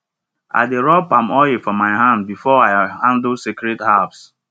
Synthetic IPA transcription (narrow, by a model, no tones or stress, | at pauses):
a̰ɪdeɹɔpãmɔefɔmaɪɦãnd̚bifɔaɪhãndlsikɹɛthavs